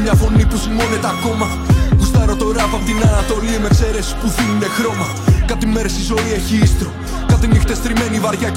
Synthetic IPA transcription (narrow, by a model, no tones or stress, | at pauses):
ɲɐfo̞nipusimo̞ne̞t̪eɐko̞mɐ | pust̪ɐɾot̪o̞ɾɐpɐpot̪inɐnɐt̪o̞lime̞kse̞ɾesi̥puθilune̞xɾo̞mɐ | kɐt̪ime̞ɾest̪izo̞ie̞çiist̪o | kɐt̪inixt̪est̪ɾime̞nivɐɾʝɐ